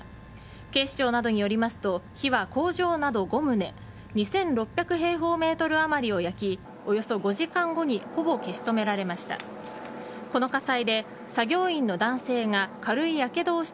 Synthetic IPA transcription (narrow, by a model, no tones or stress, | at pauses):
ke̞ːɕi̥t͡ɕo̞ːnad̪o̞ɲ̟ijo̞ɾʲimasɨ̥t̪o̞çiβako̞ːʑo̞ːnad̪o̞ɡo̞mɯ̟ne̞ | ɲ̟isẽ̞nɾo̞pʲjakɯ̟ɦe̞ːɦo̞ːme̞ːt̪o̞ɾɯ̟amaɾʲio̞jakʲi | o̞jo̞so̞ɡo̞ʑikãŋɡo̞ɲ̟iho̞bo̞ke̞ɕi̥t̪o̞me̞ɾaɾe̞maɕi̥t̪a̰ | ko̞no̞kasaid̪e̞ | saɡʲo̞ːĩnːo̞d̪ãɰ̃se̞ːŋakaɾɯ̟ijake̞d̪o̞ːɕi̥t̪